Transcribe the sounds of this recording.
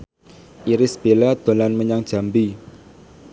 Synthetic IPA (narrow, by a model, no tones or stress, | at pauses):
ʔiɾɪsb̥elad̪̥o̤lanməɲaŋd̥ʒ̥a̤mbi